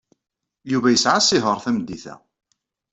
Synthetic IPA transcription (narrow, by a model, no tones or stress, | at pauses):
juvæjəsʕasːɪɦəɾˤθæmd̪ːiθæ̰